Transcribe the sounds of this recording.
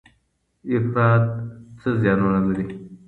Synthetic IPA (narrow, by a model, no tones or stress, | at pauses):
ɪfɾɑːt̪̚t͡səzjɑnunalaɾi